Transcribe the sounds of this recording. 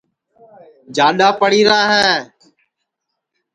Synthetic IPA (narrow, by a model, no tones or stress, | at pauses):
d͡ʒaːɗaːpəɽiːɾãːɦɛ̃ː